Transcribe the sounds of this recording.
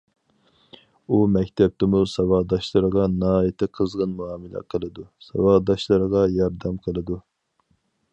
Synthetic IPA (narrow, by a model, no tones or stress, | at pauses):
umɛkʲt̪ʰɛp̚t̪ɪmusɑwɑd̪ɑʃlˠɨɾəʁɑnɑːjt̪ʰɪqʰəzʁənmuɑːmɨlɛ̰qʰəlˠɨd̪usɑwɑd̪ɑʃlˠɨɾəʁɑjɑɾd̪ɛmqʰəlˠɨd̪u